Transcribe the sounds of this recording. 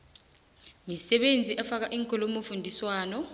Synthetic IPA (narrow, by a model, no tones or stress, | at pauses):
misɛɓend͡zʱiʔɛfak̬aʔiːŋkʰʼɔlɔmofundʱiswaːnɔ